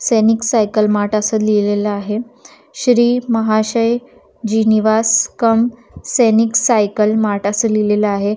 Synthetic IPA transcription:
seniksajkəlmaʈəsəlileləaɦe | ɕɾiːməɦaɕəj | d͡ʑiniʋaskəm | seniksajkəlmaʈəsəlileləaɦe

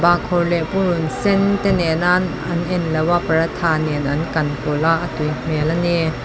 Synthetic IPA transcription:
bakʰɔrlɛʔpununsɛnt̪ɛnɛnan | ɐnʔɛnlɛwapɐɾat̪ʰaːninʔɐnkɐnkolaʔakim̥ɛlani

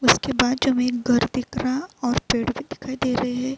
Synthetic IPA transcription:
ʊskebaːd̪̚d͡ʒoɦmẽkɡʱɐɾd̪ɪkɾaɔːɾpeːɽbʱid̪ɪkʰaːid̪eːɾɐɦeɦɛ̃ː

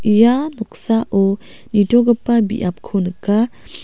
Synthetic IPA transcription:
ijanɔk̚saʔɔ | nidoɡəpabḭʔap̚kʰonka

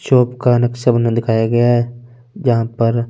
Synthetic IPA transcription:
ʃoːpkanɐkʃɐbned̪ɪkʰaːjaɡɐjaɦɛ | d͡ʒɐɦãpɐɾ

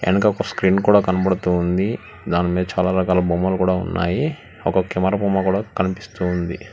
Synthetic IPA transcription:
ḛnukɐɔkɐskɾiːnkuːɽaːkɐnɐbɐɽut̪uːnd̪i | d̪aːnimiːd̪ɐt͡ʃaːlaːɾɐkaːlɐbuːmɐlkuːɽaːṵnːa̰ːji | ɔkɐkimɐɾɐbuːmakuːɽaːkɐnipi̥st̪und̪ḭ

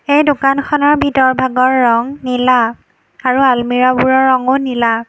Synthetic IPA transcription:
ejdʊkankʰɔnɔɹbʱitɔɹbʱaɡɔɹːɔŋnila | aɹualmiɹabuɹɔɹːɔŋonila

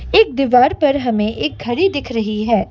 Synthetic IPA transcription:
ɪk̚d̪ɪʋaːɾpɐɾɦɐmẽʔɪk̚ɡʱɐɾid̪ɪkʰɾɐɦiɦɛː

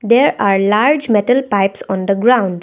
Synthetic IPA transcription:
d̪eːɾaːɾlaːɾd͡ʒmɛʈəlpaɪpsɔ̃ːnd̪əɡɾãʊ̃ɳɖ

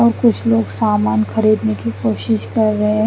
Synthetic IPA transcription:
ɔːɾkʊt͡ʃʰloːɡsaːmaːnxɐɾiːd̪nekikoːʃɪʃkɐɾːɐɦẽ

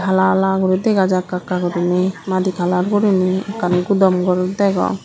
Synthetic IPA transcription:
kʰalalaɡɔɾid̪ɛɡad͡ʒakakaɡɔɾinimad̪ikʰalaɾɡɔɾiniakanɡud̪ɔmɡɔɾud̪ɛɡɔ̰

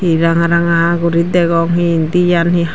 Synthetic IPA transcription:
iɾaŋaɾaŋaɦaɡuɾit̪̚d̪ɛɡɔŋɦiːnd̪ijanhi

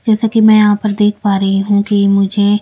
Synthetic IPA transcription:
d͡ʒɛːsakimɛ̃jɐɦãpɐɾd̪eːkʰpaːɾɐɦiɦũːkimʊd͡ʒʱe

